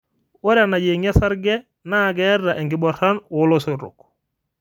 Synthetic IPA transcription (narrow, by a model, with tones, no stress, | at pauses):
wo˦ɾa˨na˨ɟe˨ŋa˦sa˦ɾɡɛ˦ | na˦˨ɡɛ˦rːa˨ʔɛ˨ŋɡɪ˨bɔ˨ra˦nʊ˦lo˦sʊ˨ɾʊ̰˨k